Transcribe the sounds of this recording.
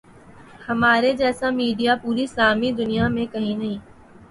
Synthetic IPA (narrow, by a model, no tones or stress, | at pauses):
hɐmaːɾed͡ʒɛːsamiːɖijapuːɾisaːmid̪ʊnijamẽkɐɦĩnɐɦĩː